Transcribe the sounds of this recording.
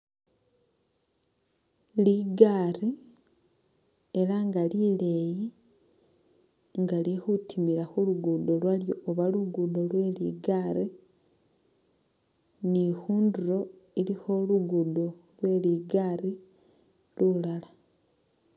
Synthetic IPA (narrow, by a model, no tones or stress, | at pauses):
liɡaɾi | eɾaŋɡalile̞ji | ŋɡalixutʰimiɾaxuluɡudo̞lwaljo̞ːβaluɡudo̞lwe̞ːliɡaɾi | nixuːnduɾo̞ilixo̞luɡudo̞lwe̞ːliːɡaːri | lulala